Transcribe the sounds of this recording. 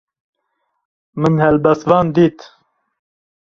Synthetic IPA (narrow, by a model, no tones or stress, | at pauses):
mɨnhɛlbɛst̪vɑːnd̪iːt̪